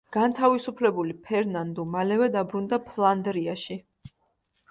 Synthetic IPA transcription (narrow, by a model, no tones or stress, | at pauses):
ɡ̥ant̪ʰavisupʰlɛbulipʰɛɾnand̪ɔmalɛvɛd̪abɾund̪apʰlˠand̪ɾiaʃi